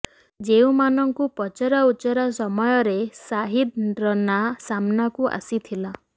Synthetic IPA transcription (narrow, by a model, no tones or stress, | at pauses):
d͡ʒew̃manɔŋkupɔt͡ʃɔɾaut͡ʃɔɾasɔmɔjɔɾesaɦid̪̚ɾɔnasamnakuʔa̰sit̪ʰila